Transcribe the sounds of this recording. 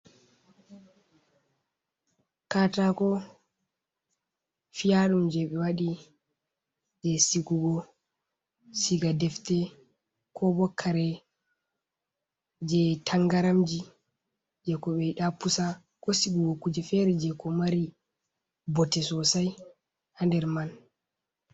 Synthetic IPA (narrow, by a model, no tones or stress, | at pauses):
katakɔ | fijaɗumd͡ʒɛɓɛwaɗi | d͡ʒɛsiɡuɡɔ | siɡadɛftɛ | kʰɔbɔkʰːaɾɛ | d͡ʒɛtʰaŋɡaɾamd͡ʒi | d͡ʒɛkɔɓɛiɗapusa | kɔsiɡuɡɔkud͡ʒɛfɛɾɛd͡ʒɛkɔmaɾi | bɔtɛsɔsaj | handɛɾman